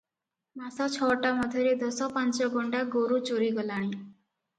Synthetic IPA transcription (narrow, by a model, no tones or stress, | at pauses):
masat͡ʃʰɔʈamʌd̪ʱjɔɾed̪ɔsɔpãnt͡ʃɔɡʱɔɳɖaɡoɾut͡ʃoɾiɡɔlaɽ̃ĩ